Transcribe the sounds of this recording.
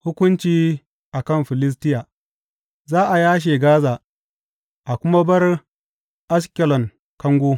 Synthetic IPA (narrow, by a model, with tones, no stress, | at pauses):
hʊ˦kʷʊ˦nt͡ʃiː˦ | ʔa˨kɐ˦˨mɸɪ˨lɪ˦s̬tɪ˦jaː˨ | zaː˦ʔa˨jaː˦ʃ̬eː˨ɡaː˦zaː˨ | ʔa˨kʷʊ˦ma˦bɐ˦r | ʔa˦skʲɛ˨lɔ˨ŋ | kɐ˦ŋɡʷoː˦